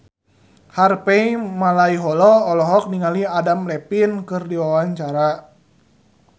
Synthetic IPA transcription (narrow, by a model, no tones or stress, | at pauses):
harpɛimalaiɦɔlɔːlɔɦɔk̚niŋaliadamlɛpinkɨrdiwawaɲt͡ʃaɾa